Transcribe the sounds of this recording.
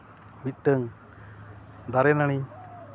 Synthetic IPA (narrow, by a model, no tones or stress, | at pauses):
mit̪̚ʈəŋ | d̪aɾɛnaɽ̃i